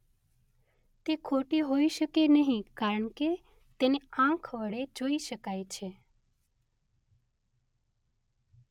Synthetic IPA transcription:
t̪ekʰoʈiɦoiʃəkenəɦĩkaɾəɳke | t̪eneãkʰʋəɭed͡ʒoiʃəkajt͡ʃʰe

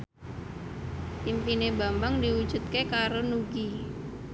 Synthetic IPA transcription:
pimpinebambaŋdiwud̥ʒ̥ṳt̪̚kekaɾonuɡi

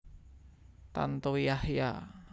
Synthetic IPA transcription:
t̪a̰nt̪owijahja̰

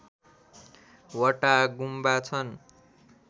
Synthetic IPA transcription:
wʌʈaɡumbat͡sʰʌn

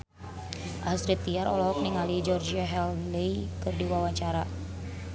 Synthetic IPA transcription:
ʔasɾit̪ːiaɾɔlɔɦɔk̚niŋalid͡ʒɔrd͡ʒiaɦɛlleikɨrdiwawaɲt͡ʃaɾa

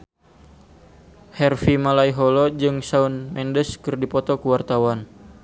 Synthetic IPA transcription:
hɛrfimalaiɦɔlɔd͡ʒɨŋsaunmɛndəskɨrdipɔt̪ɔkuwart̪awan

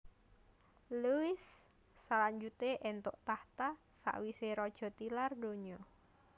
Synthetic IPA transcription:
luɪsː | alaɲd͡ʒut̪eʔɛnt̪oʔt̪aht̪asa̰ʔwiseɾɔd̥ʒ̥ɔ̤t̪ilardoɲɔ

